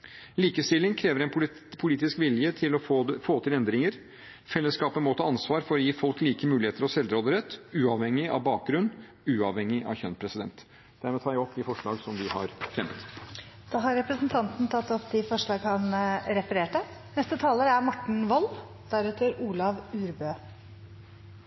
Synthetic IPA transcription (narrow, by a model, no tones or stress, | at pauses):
liːkəst̪ɪlːɪŋkʰɾeːʋəɾɛn | pʰʊliːt̪ɪskʋɪljət̪ʰɪlɔfoːt̪ʰɪlɛnd̪ɾɪŋəɾ | fɛlːəskɑːpəmoːt̪ʰɑɑnsʋɑːɾfɔɾɔjiːfɔlkliːkəmʉːlɪheːt̪əɾɔsɛld̪ɾoːd̪əɾɛt̪ːʉːɑʋhɛŋːɪɑ̰ʋbɑːk̚ɡɾʉnː | ʉːɑʋhɛŋːɪʔɑ̰ʋçœnpʰɾɛsɪd̪ɛnt̪ | d̪̥æɾmɛɔt̪ʰɑːjæɔpːɪfɔʂɭɑ̰ːɡsɔmʋɪhɑ̰ɾfɾɛmːət̪d̪̥ɑːɦɑɾɾɛpɾəsn̩t̪ʰɑnt̪n̩t̪ʰɑt̪ːɔpd̪ɪfɔʂɭɑːɡhɑnɾɛfəɾeːʈənɛst̪ət̪ʰɑːləɾəæɾmɔʈɳ̩ʋɔl | d̪̥æɾʉːt̪ʰəɾuːlɑʋʉːɾbøː